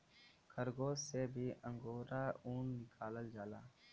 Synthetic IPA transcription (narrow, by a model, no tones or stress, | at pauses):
kʰəɾɡoːsebʱiʔə̃ŋɡoːɾaːuːnːɪkʰaːləld͡ʒaːlaː